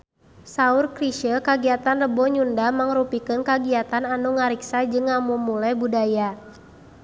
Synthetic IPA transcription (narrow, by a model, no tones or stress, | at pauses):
saurkɾiʃəkaɡiat̪anrəbɔɲundamaŋrupikɨnkaɡiat̪ananuŋaɾiksad͡ʒɨŋamumulajbudaja